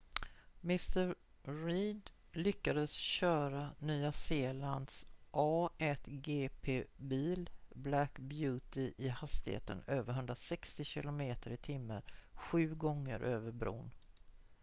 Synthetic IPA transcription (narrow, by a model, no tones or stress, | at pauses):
mɪst̪əɾ | ɾiːd̪ | lʏkːad̪əsɕœːɾanyːaseːland̪sʔɑːɛt̪ɡeːpʰeːbiːlblækbjʉːt̪ɪʔɪhast̪ɪhḛːt̪ə̰nøːvəɾɦɵnd̪ɾasɛkst̪ɪɕɪ̰lʊmeːt̪əɾɪt̪ʰɪmːəɾɧʉ̟ːɡɔŋːə̰ɾʔøːvəɾbɾṵːn